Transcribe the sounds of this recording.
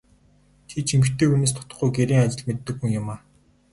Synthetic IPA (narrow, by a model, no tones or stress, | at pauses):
t̪ʰit͡ɕʰiŋɡɘ̆t̪eːuneːst̪ʰʊ̥t̪ə̆χujɡeɾiːŋat͡ɕɪ̆ɮmet̪ːɘ̆ɡuŋjʊmaː